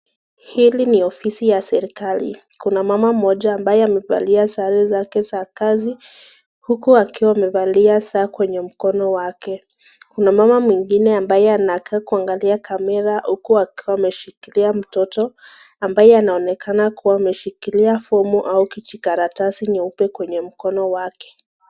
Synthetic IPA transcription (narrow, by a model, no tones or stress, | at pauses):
hiliniɔfisijasɛɾikalḭkunamamam̩ɔʄaːmbajɛamɛva̰liasaɾɛzakɛsakazi | hukuakiwaamɛvaliasaːkwɛɲɛm̩kɔnɔwakɛ | kunamamamwiŋɡinɛambajɛanakaːkuaŋɡaliakʰamɛɾahukuakiwaamɛʃikiliam̩tɔtɔ | ambajɛanaɔnɛkʰanakuwaːmɛʃikiliafɔmuʔaukit͡ʃikaɾatasiɲiupɛkwɛɲɛm̩kɔnɔwakɛ̥